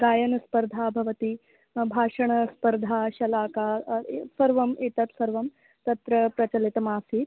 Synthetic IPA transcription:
ɡaːjɐnɐspɐɾd̪ʱaːbʱɐʋɐt̪i | bʱaːʂɐɳɐspɐɾd̪ʱaːʃɐlaːkaːsɐɾʋɐmeːt̪ɐt̪sɐɾʋɐm | t̪ɐt̪ɾɐpɾɐt͡ʃɐlit̪ɐmaːsit̪

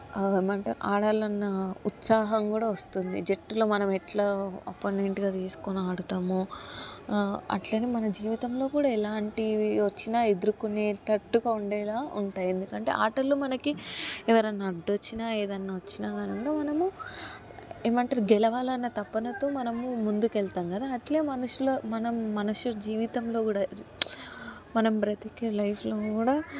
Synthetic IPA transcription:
emɐɳʈɐɾaːɽaːlɐnːɐut̪saːɦɐmkuːɽaːʋɐst̪und̪ḭd͡ʒeʈːulo̞ːmɐnɐmɛʈlaːɐ̰poːneɳʈɡaːt̪iːsu̥kunaːɽut̪aːmu | ɐ̰ʈleːnemɐnɐd͡ʒiːʋit̪ɐmlo̞ːkuːɽaːɛlaːɳʈiʋɐt͡ʃːinaːed̪uɾukuneːt̪ɐʈːuɡauɳɖɛːlaːuɳʈaːjend̪ukɐɳʈe̞̰ʔaːɾʈɐɾloːmɐnɐkiɛʋɐɾɐnːaːɖɐt͡ʃːinaːleːd̪ɐnːaːʋɐt͡ʃːinaːɡaːnuŋɡaːmɐnɐmu | eːmɐɳʈɐːɾɡɛlɐʋaːlɐnːɐt̪ɐpːɐnɐt̪oːmɐnɐmumund̪ukɛlt̪aːŋkɐd̪aːɐʈle̞ːmɐnuʂuloːmɐnɐmːɐnuʂud͡ʒiːʋit̪ɐmlo̞ːkuːɽa | mɐnɐmpɾɐt̪ikɐlɐjpʰlo̞ːkkuːɽaː

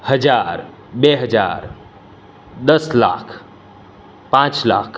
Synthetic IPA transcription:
həd͡ʒaːɾ | beɦəd͡ʒa̰ːɾ | d̪əsla̰ːkʰ | pãːt͡ʃla̰ːkʰ

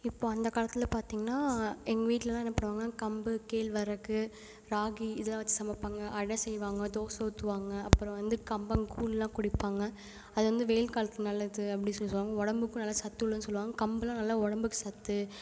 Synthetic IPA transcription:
ɪpːoːɐnd̪ɐkaːlɐt̪ːɪlɐpaːɾt̪iːŋɡɐnːaːɛŋɡɐʋiːʈlɐlãːɛnːɐpːɐɽɯʋaːŋɡɐnaːkɐmbɯkeːlʋɐɾɐkːɯ | ɾaːɣiɪðɐlːãːʋɐt͡ʃːɯ̥sɐmɐpːaːŋɡɐʔɐɽɐsɛjːʋaːŋɡɐt̪oːsoːt̪ːɯʋaːŋɡɐɐpːɯɾɔ̃ʋɐnd̪ɯkɐmbɐŋɡkuːllːãːkʊɽɪpːaːŋɡɐ | ɐðɯʋɐnd̪ɯʋeːlkaːlɐt̪ːɪɐnɐlːɐðɯɐpːɐɽɪnsɔlːɯsɔlʋaːŋɡɐɔɽɐmbɯkːɯ̃nɐlːɐsɐt̪ːɯɭːɐnːɯsɔlːɯʋaːŋɡɐkɐmbɯlãːnɐlːɐɔɽɐmbɯkːɯ̥sɐt̪ːɯ

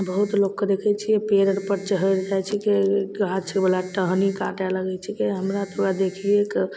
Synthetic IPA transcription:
bəɦut̪lokːed̪ekʰɛt͡ʃʰiepeɾəɽpəɾt͡ʃəɦəɾd͡ʒajt͡ʃʰikeɡat͡ʃʰebəlaʈəɦnikaʈɛləɡɛt͡ʃʰikeɦəmɾat̪ʰuɾad̪ekʰiek

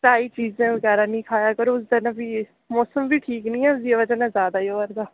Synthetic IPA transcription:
saːiːt͡ʃiːzẽːʋəɡɛːɾaːnĩːkʰaːjaːkəɾoːʊs̬d̪ɪnãbiː | mɔːsəmʋiːʈʰiːknĩːɛ̃ːʊsiaʋəd͡ʒənɛ̃ːzjaːd̪aːioːəɾd̪aː

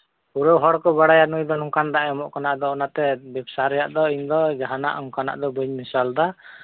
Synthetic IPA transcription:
uɾɔwɦɔɽkɔbaɽajanujd̪ɔnɔŋkand̪aʔɛmɔʔkanaʔd̪ɔɔnat̪ɛbɛbsaɾɛjaʔd̪ɔiɲd̪ɔd͡ʒaɦana̰ʔɔŋkana̰ʔd̪ɔbuɲmisald̪a

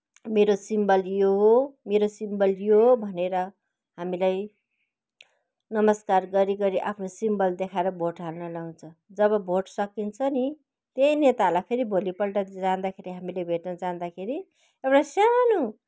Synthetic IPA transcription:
meɾosimbʌljoɦomeɾosimbʌljobʱʌneɾʌ | ɦamilaj | nʌmʌskarɡʌɾiɡʌɾiʔa̰pʰnosimbʌld̪ekʰaeɾʌbʱoʈɦalnʌlaw̃nt͡sʰʌd͡zʌβʌbʱoʈsʌkint͡sʰʌni | t̪ejnet̪alajpʰeɾibʱolipʌlʈʌt̪d͡zand̪akʰeɾiɦamilebʱeʈnʌd͡zand̪akʰeɾi | ewɽasjanu

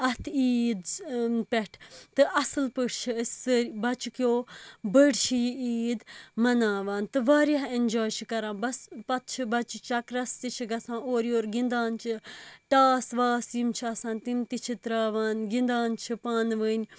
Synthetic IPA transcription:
ɐt̪ʰiːd̪pʲɛʈʰt̪ɨʔɐsɨlpəʈt͡ʃʰiəsəɾbɐt͡ʃukjoːbəɖt͡ʃʰijiiːd̪mɐnaːʋaːnt̪ɨʋaːɾaɦenʲd͡ʒoːjt͡ʃʰikɐɾãːnbɐspɐt̪̚t͡ʃʰibɐt͡ʃut͡ʃɐkɾɐst̪it͡ʃʰiɡɐsãːnoːɾioːɾɡind̪aːnt͡ʃʰiʈaːsʋaːsimt͡ʃʰiɐsãːnt̪imt̪it͡ʃʰit̪ɾaːʋaːnɡind̪aːnt͡ʃʰipaːnʋəːnʲ

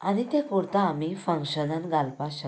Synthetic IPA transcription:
aɽ̃it̪ekoɾt̪aːmifəŋkɕənənɡalpaɕə

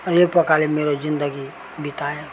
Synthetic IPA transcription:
jepəkalimeɾod͡ʒind̪əɡi | bit̪ae

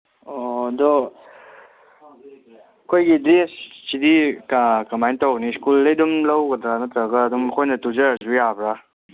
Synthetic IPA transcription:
ɔdɔ | kʰojɡidɾinssidikakɐmajntawniskulːɐjdumlawɡɐdɾanɐtɾaɡaːdumkʰojnɐtuzazujabɾa

